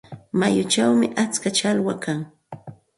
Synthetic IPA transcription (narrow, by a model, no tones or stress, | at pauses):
majʊt͡ʃawmɪʔat͡skat͡ʃalwakaŋ